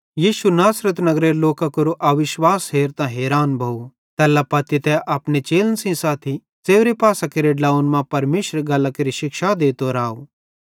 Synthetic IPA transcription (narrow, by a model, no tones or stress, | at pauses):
jiːʃunaːsɾət̪nɐɡɾeloːkakoɾoʔɐʋɪʃwaːsɦeːɾt̪ãɦeːɾaːnbʱɐu | t̪ɛːlapɐt̪it̪ɛʔɐpnet͡ʃeːlənsĩsaːt̪ʰi | t͡seːʊɾepaːsakeɾeɖlaːunmãpɐɾmeːʃɾɡɐlakeɾiʃɪkʃad̪eːt̪oɾaːo